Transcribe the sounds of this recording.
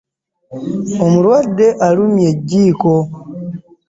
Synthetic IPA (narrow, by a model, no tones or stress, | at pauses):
omulwadːe̞ʔalumjeɟːiːko